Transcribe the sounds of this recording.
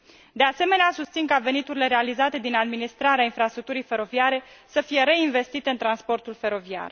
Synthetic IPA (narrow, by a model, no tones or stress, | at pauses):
d̪e̞ase̞me̞neasust̪sinkave̞nit̪uɾile̞ɾe̞alizat̪e̞d̪inad̪minist̪ɾaɾeainfɾast̪ɾuk̚t̪uɾijfe̞ɾo̞viaɾe̞səfije̞ɾe̞inve̞st̪it̪e̞ɨnt̪ɾanspo̞rt̪ulfe̞ɾo̞via̰r